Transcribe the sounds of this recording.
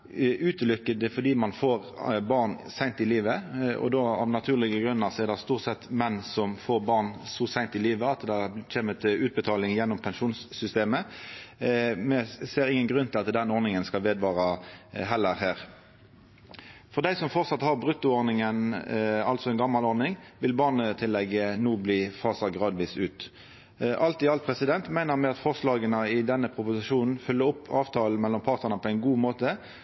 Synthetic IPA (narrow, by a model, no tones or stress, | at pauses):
ʔʉːt̪əlʏkːəd̪ɛfɔd̪iːmɑnfoːʁ | bɑʁnsæɪnt̪ɪliːʋəɔ̰d̪oːɑ̰ʋnɑt̪ʰʉːʁlɪɡəɡʁʉnːəʁsɔɛʁd̪ɛst̪uːʁt̪sɛt̪ːmɛnːsɔmfoːʁbɑʁnsɔsæɪnt̪ɪliːʋəɑt̪d̪ɛc͡çʰeːmət̪ʰɪlʉːt̪̚bət̪ʰɑːlɪŋjɛnːɔmpʰɛnʂuːnsːʏst̪eːmə | mɛseːɾɪŋːənɡʁʉnt̪ʰɪlɑt̪d̪ɛnɔʁnɪŋənskɑʋeːd̪ʋɑːʁɑɦɛlːəʁɦæːʁ | fɔʁd̪æɪsɔmfɔʁsɑt̪hɑʁbʁʉt̪ːʊɔʁnɪŋənɑlsɔɛɪnɡɑmːɑlɔʁnɪŋʋɪlbɑːʁnət̪ʰɪlːɛɡənuːbliːfɑːsɑɡʁɑːd̪ʋiːsʉ̰ːt̪ | ʔɑlt̪ɪɑlt̪̚pʰʁɛsɪd̪ɛnt̪mæɪnəʁmɛɑt̪fɔʁslɑːɡənəɪd̪ɛnːəpʰʁʊpʊsɪʃuːnn̩fœlːəɾɔpʰːɑːʋt̪ʰɑːl̩mɛlːɔmpʰɑʁt̪nəʁnəpʰɔæɪnɡuːmoːt̪ə